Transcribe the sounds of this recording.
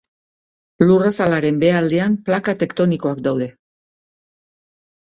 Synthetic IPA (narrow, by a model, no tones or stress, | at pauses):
lurasalaɾe̞mbe̞ald̪eamplakat̪e̞kt̪o̞niko̞akd̪awðe̞